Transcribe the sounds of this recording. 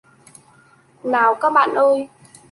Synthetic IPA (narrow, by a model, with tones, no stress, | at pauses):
naː˨˩wkaː˦˥k̚ɓa̰ː˧˨nʔəː˧j